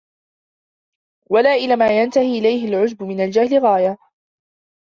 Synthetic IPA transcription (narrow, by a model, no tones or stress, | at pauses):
walaːʔɪlaːmaːjant̪ahiːʔɪlajhɪlʕʊd͡ʒbʊmɪnald͡ʒahlɪɣaːja